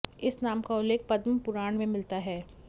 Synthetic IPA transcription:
ɪsnaːmkaʊlːeːk̚pɐd̪mpʊɾaːɳ̃mẽmɪlt̪aɦɛː

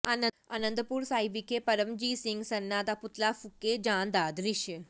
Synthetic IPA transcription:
anə | a̰nənd̪əpuːɾsaːiʋikepɐɾəmd͡ʑiːsiŋɡsɐnːat̪aput̪lafukːed͡ʑãːnd̪aːd̪ɾiɕjə

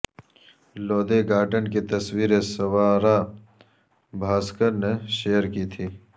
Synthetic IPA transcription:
loːd̪eɡaːɖənkit̪ɐswiːɾesɐwaːɾa | bʱaːskəɾneʃejəɾkit̪ʰiː

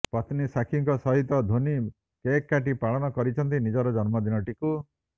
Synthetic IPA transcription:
pɔt̪nisakʰiŋkɔsɔɦit̪ɔd̪ʱoni | kekːaʈ̬ipaɭɔnɔkɔɾit͡ʃʰɔnt̪inid͡ʒɔɾɔd͡ʒɔnmɔd̪inɔʈiku

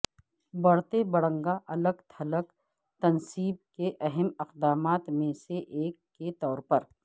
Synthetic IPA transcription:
bɐɽt̪ebɐɽə̃ŋɡaʔɐləɡt̪ʰɐlək | t̪ɐnsiːb̚keʔɐɦɛmɪqd̪aːmaːt̪mẽseʔeːkːet̪ɔːɾpɐɾ

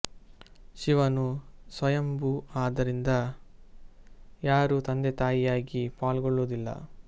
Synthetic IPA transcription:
ʃiʋɐnusʋɐjɐmbuaːd̪ɐɾind̪ɐ | jaːɾut̪ɐnd̪ɛt̪aːjijaːɡipaːlɡɔɭːoːd̪ilːɐ̰

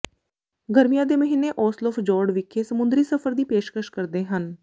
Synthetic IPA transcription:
ɡəɾmijãːd̪eːməɦiːnːeːʔɔːslɔːfd͡ʒɔːɾɖʋɪkʰːeːsəmʊnd̪ɾiːsəpʰəɾd̪iːpeːʃkəʃkəɾd̪eːɦən

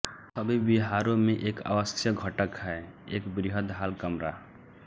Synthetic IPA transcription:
səbʱibiɦaːɾõmẽʔeːka̰ʋəsjəɡʱəʈəkɦɛeːkbɾiɦəd̪ɦaːlkəmɾa

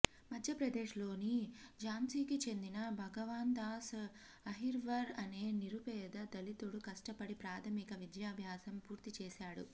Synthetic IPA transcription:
mɐd̪ʱjɐpɾɐd̪eːʂlo̞ːnid͡ʒaːmsiːkit͡ʃe̞nd̪inɐbʱɐɡɐʋaːnd̪aːs | ɐɦiɾʋɐɾɐne̞ːniɾupɛːd̪ɐd̪ɐlit̪uɽukɐʂʈɐpɐɽipɾaːt̪ʰɐmikɐʋid̪jaːbʱjaːsɐmpuːɾt̪it͡ʃɛːsaːɽṵ

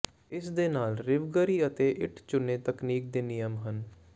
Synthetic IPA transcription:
ɪsd̪eːnaːlɾɪʋɡəɾiːət̪eːʔɪʈʰt͡ʃʊnːeːt̪əkniːk̚d̪eːnɪjəmɦən

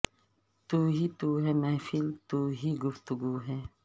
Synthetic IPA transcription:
t̪uːɦit̪uːɦɛːmɛ̃ːfilt̪uːɦiɡʊft̪ʊɡuːɦɛː

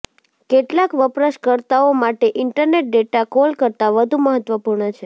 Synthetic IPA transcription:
keʈlakʋəpɾəʃkəɾt̪aomaʈeʔɪɳʈəɾneʈ̚ɖeʈakolkəɾt̪aʋəd̪ʱuməɦət̪ʋəpuɾɳət͡ʃʰe

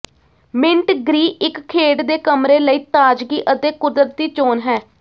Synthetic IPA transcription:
mɪ̃ɳʈɡɾiːɪkkʰːeːɖd̪eːkəmɾeːləiːt̪aːd͡ʒɡiːʔət̪eːkʊd̪ɾət̪̚d̪iːt͡ʃoːnɦɛː

